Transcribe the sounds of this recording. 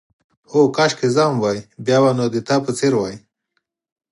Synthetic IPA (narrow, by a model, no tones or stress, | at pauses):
okaʃkezamwajbjɑbanod̪et̪apət͡seɾwaj